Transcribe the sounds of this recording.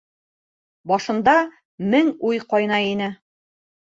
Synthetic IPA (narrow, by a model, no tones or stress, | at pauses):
bɒʃɤ̆nd̪ɑ | mɘŋujqɒjnɑinɘ